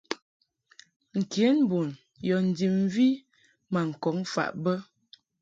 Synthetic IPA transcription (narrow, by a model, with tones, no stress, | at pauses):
ŋ̩˨kje˨˦n˦bu˨n | jɔ˨n̩˨di˨m˦vi˦ | ma˨ŋ̩˨kɔ˨˦ŋfa̰˨ʔbə˦